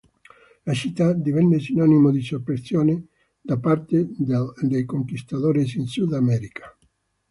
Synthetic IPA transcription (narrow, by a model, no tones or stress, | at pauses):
lat͡ʃit̪ːad̪ivɛnːesinɔnimod̪isopɾesːjoːne | d̪apart̪ed̪d̪ejkoŋkist̪aðoːɾisinsud̪amɛɾikʰḁ